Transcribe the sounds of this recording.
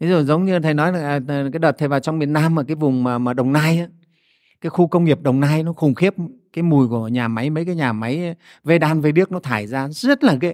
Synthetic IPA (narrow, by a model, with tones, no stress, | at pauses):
fi˨˦zu˨˩zə˨˦wŋ͡mɲɨ˧˨˩t̪ʰə˨˩jnɔ˨˦jzaː˨˩ŋʔəː˨˩˨kaː˨˦jɗə˨˩t̪̚ʰə˨˩vaː˨˩wt͡ɕɔ˧ŋ͡mɓi˨˩ənaː˧mːaː˨˩kaː˨˦jvʊ˨˩ŋ͡mmaː˨˩maː˨˩ɗə˨˩wŋ͡mnaː˧jʔaː˨˦ | kaː˨˦jxu˧kə˧wŋ͡mŋi˨˩əp̚ɗə˨˩wŋ͡mnaː˧jnɔ˨˦xʊ˨˩ŋ͡mxi˦˥əp̚kaː˨˦jmu˨˩jku˧˩əɲaː˨˩ma˨˦jmə˨˦jkaː˨˦jɲaː˨˩ma˨˦j | ve˧ɗaː˧nve˧ɓi˦˥ək̚nɔ˨˦t̪ʰaː˧˩jzaː˧zə˦˥t̚laː˨˩ke˨˧˦